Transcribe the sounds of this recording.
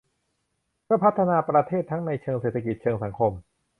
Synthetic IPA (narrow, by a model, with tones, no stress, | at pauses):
kʰɯ˥˩pʰa˦˥t̪ʰːa˧naː˧pɾa˧t̪ʰeː˥˩t̪ʰːa˦˥ŋna˧jt͡ɕʰɤː˧ŋseː˨˩t̪ʰːa˧ki˨˩t̪̚t͡ɕʰɤː˧ŋsa˩˦ŋkʰo˧m